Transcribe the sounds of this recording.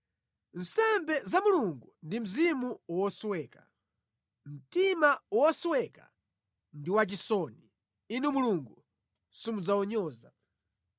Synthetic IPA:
n̩sɛmbɛzamuluŋɡundim̩zimuwɔswɛːka | m̩timawwɔswɛka | ndiwat͡ʃisɔni | inumuluŋɡu | simud͡zawɔɲɔːza

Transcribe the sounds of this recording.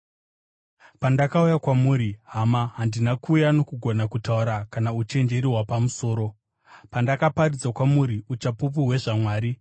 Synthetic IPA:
pandakaujakwamuːɾiɦamaɦandinakuːjano̞kuɡʱo̞nakutauɾakanaut͡ʃe̞nd͡ʒe̞ɾiɦwapamuso̞ːɾo̞ | pandakaparid͡zakwamuɾiut͡ʃapup̬uɦwe̞ʐamwaːɾi

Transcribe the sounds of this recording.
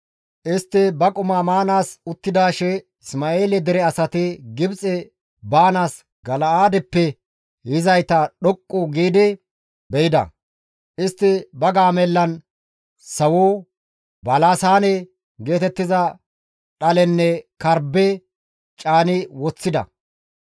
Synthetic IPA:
ʔɪst̪ːɪbɐkʼʊmaːmaːnaːsʊt̪ːɪd̪aːʃɛ | ɪsmaeːlɛd̪ɛɾɛɐsɐt̪ɪɡɪbt͡sʼɛ | baːnaːs | ɡɐlɐaːd̪ɛpːɛ | hɪzɐjt̪ɐɗɔkʼːʊɡiːd̪ɪ | bɛjɪd̪ɐ̰ | ʔɪst̪ːɪbɐɡaːmɛlːɐn | sɐwoː | bɐlaːsaːnɛ | ɡe̞ːt̪ɛt̪ːɪzɐ | ɗɐlɛnːɛkɐɾbɛ | t͡ʃʼaːnɪwɔt͡sːɪd̪ɐ̰

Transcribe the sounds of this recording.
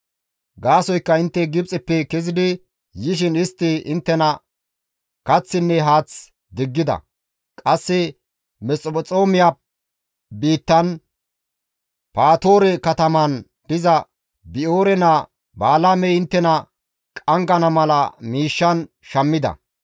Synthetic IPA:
ɡaːsɔjkːɐɪnt̪ːɛɡɪbt͡sʼɪpːɛkɛzɪd̪ɪ | jɪʃ̬ɪnɪst̪ːɪɪnt̪ːɛnɐ | kɐt͡sːɪnːɛɦaːt͡s | d̪ɪɡːɪd̪ɐ̰ | kʼɐsːɪ | mɛt͡sʼɔbɔt͡sʼo̞ːmɪja | biːt̪ːɐn | paːt̪o̞ːɾɛkɐt̪ɐmɐn | d̪ɪzɐ | bɪoːɾɛnɐ | baːlaːmɛɪnt̪ːɛnɐ | kʼɐŋɡɐnɐmɐlɐmiːʃːɐn | ʃɐmːɪd̪ɐ̰

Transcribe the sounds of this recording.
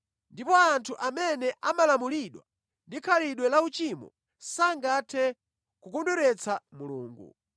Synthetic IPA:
ndipɔantʰuʔamɛnɛʔamalamuliɗwa̰ | ndikʰaliɗwɛlaut͡ʃimɔ̰ | saŋɡatʰɛ | kukɔnduɾɛt͡samuluːŋɡṵ

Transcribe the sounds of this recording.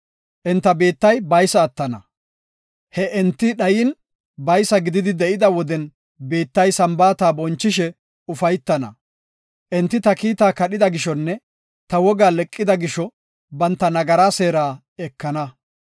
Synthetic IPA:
ʔɛnt̪ːɐbe̞ːt̪ːɐjbɐjsɐːt̪ːɐnɐ̰ | hɛʔɛnt̪ːɪɗɐjɪn | bɐjsɐɡɪd̪ɪd̪ɪd̪ɛʔɪd̪ɐwɔd̪ɛn | beːt̪ːɐjsɐmbaːt̪aːbɔnt͡ʃːɪʃɛ | ʊfɐjt̪ːɐnɐ̰ | ʔɛnt̪ːɪt̪ɐkiːt̪aːkɐɗɪd̪ɐɡɪʃɔnːɛ | t̪ɐwɔɡaːlɛkʼːɪd̪ɐɡɪʃɔ | bɐnt̪ːɐnɐɡɐɾaːse̞ːɾaː | ɛkːɐnɐ

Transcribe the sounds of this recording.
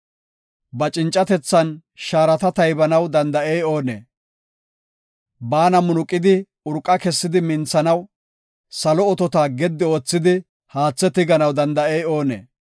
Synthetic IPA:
bɐt͡ʃʼɪnt͡ʃʼːɐt̪ɛt͡sːɐnʃaːɾɐt̪ɐt̪ɐjbɐnɐwd̪ɐnd̪ɐʔejo̞ːnḛː | baːnɐmʊnʊkʼːɪd̪ɪ | ʊɾkʼːɐkɛsːɪd̪ɪmɪnt͡sːɐnɐw | sɐlɔɔt̪ɔt̪aːɡɛd̪ːɪo̞ːt͡sːɪd̪ɪ | haːt͡sːɛt̪ɪɡɐnɐwd̪ɐnd̪ɐejo̞ːnḛː

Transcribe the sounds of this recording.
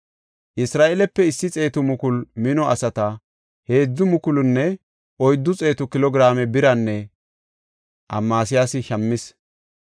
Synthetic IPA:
ʔɪsɾaːʔɛlɛpːɛɪsːɪt͡sʼe̞ːt̪ʊmʊkʊlmɪnɔɐsɐt̪ɐ | he̞ːd͡zːʊmʊkʊlʊnːɛ | ʔɔjd̪ːʊt͡sʼe̞ːt̪ʊkɪlɔɡɾaːmɛbɪɾɐnːɛ | ʔɐ̰mːaːsɪjaːsɪʃɐmːɪs

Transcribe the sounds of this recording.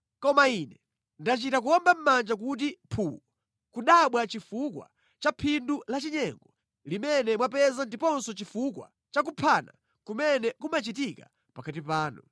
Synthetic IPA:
kɔmainɛ | ndat͡ʃitak̬ujɔmbam̩mand͡ʒak̬ut̬ipʰu | kuɗaɓwat͡ʃifukwa̰ | t͡ʃapʰindulat͡ʃiɲɛŋɡɔ | limɛnɛmwapɛzandipɔnsɔt͡ʃifukwa̰ | t͡ʃak̬upʰaːna̰ | kumɛnɛkumat͡ʃitika̰ | pakat̬ipaːnṵ

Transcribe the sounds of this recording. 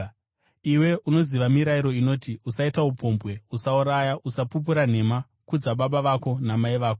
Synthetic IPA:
iwe̞ʔuno̞ziʋamiɾaiɾo̞ino̞ːtiusaitaupo̞ːmbwe̞usauɾajaʔusapup̬uɾan̤e̞ma | kud͡zaɓaɓaʋako̞namaiʋaːko

